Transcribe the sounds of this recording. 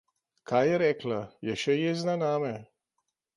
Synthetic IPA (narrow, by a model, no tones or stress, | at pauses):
kʰajɛɾɛklajɛʃɛjɛznanaːmɛ